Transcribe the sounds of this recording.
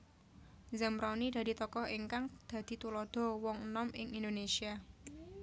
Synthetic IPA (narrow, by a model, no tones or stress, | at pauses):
zəmɾanid̪̥ä̤d̪̥i̤t̪ɔkɔheŋkaŋd̪̥ä̤d̪̥i̤t̪ulɔd̪̥ɔ̤wɔŋənɔmɪ̰ŋʔind̪onesia